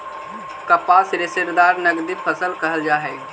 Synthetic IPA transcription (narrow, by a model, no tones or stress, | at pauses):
kəpaːsɾesɪɾd̪aːɾnəɡd̪ipʰəsəlkəɦəld͡ʒaːɦɛː